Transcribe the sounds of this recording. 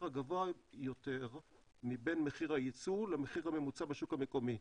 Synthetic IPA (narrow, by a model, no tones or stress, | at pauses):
aɡavoajo̞teʁ | mibe̞nmeχiʁhajit͡sulemeχiʁhame̞mut͡sabeʃukhame̞ko̞mi